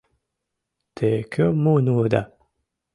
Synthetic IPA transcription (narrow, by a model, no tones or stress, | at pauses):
t̪ʰekʲʰomonuːd̪a̰